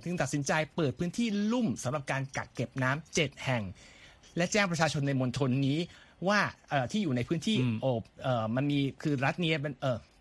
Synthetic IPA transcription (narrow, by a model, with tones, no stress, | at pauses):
t̪ʰɯ˧˩ŋt̪a˨t̪̚si˩˦nt͡ɕa˧jpɤː˨˩t̪̚pʰɯ˦˥nt̪ʰiː˥˩lu˥˩msa˨˦mɾa˨˩p̚kaː˧nka̰˨˩kːe˨˩p̚naː˦˥mt͡ɕe˨˩t̪̚hɛ˨˩ŋ | lɛ˦˥t͡ɕɛː˥˩ŋpɾa˧t͡ɕʰaː˧t͡ɕʰo˧nːa˧jmo˧nt̪ʰo˧nːiː˦˥waː˥˩ʔɤː˨˩t̪ʰiː˥˩juː˨˩na˧jpʰɯː˦˥nt̪ʰiː˥˩ʔoː˨˩p̚ʔɤː˨˩ma˧nmiː˧kʰɯː˧ɾa˦˥t̪̚ni˦˥pe˧nʔɤː˧˩